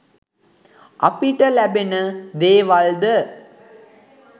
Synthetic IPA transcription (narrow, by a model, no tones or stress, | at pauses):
ʔɐ̰piʈəlæbenəd̪eːʋɐld̪ə